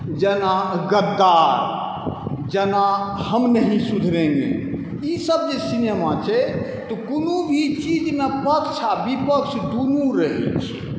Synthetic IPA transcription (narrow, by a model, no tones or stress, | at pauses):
d͡ʒɛnaɡəd̪aɾ | d͡ʒɛnahəmnəɦĩsud̪ʱɾẽŋɡḛ | isəb̚d͡ʒesinemat͡ʃʰɛ | t̪ɔkunubʱit͡ʃid͡ʒmepəkt͡ʃʰabipəkʃd̪unuɾəɦḭt͡ʃʰ